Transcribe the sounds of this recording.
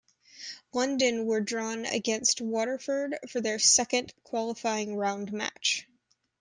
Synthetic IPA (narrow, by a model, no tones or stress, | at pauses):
lʌ̃ndɨ̃nwə˞dɹɔ̃nɨ̰ɡɛ̃nst̚wɔɾə˞fə˞d̥fə˞ðə˞sɛkɨ̃nkʰw̥ɑlˠəfaɪɪ̃ŋɹãʊ̃ndmæ̰t͡ʃ